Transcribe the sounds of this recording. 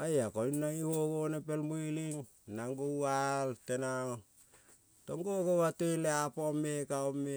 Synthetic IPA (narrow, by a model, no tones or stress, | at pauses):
ajakoinːaŋihoɡonepelmuiliŋ | naŋɡowaltena | toŋɡoɡowateleapomekaome